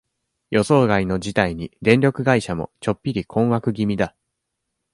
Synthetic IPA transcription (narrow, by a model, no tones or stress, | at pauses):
jo̞so̞ːɡaino̞d͡ʑit̪aiɲ̟id̪ẽ̞nɾʲokɯ̟ɡaiɕamo̞̰t͡ɕo̞pʲːiɾʲikʰõ̞ɰ̃wakɯ̟ɡʲimʲid̪a